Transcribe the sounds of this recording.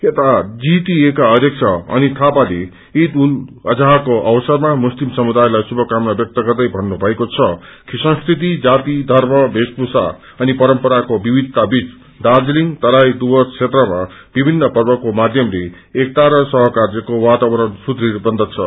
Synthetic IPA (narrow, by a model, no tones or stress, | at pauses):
et̪ad͡zit̪iekaʌd̪ʱjʌk̚t͡sʰʌʌ̰nit̪ʰapale | it̪ulʌd͡zaɦkoʔʌbʌsʌrmamuslimsʌmud̪ajlajsubʱʌkamnʌbjʌk̚t̪ʌɡʌrd̪ʌjbʱʌnːubʱʌekot͡sʰʌkʰisʌ̃ŋsk̪ʰit̪id͡zat̪id̪ʱʌrmʌbʱespusa̰ | ʌnipʌɾʌmpʌɾakobibʱid̪t̪abit͡s | dard͡zliŋt̪ʌɾajd̪ubʌt͡sʰet̪rʌmab̥ibʱinːʌpʌrbʌkomad̪ʱjʌmle | ek̚t̪aɾʌsʌɦʌkard͡zʌkowat̪abʌɾʌnsud̪ɾibʌnd̪ʱʌt͡sʰʌ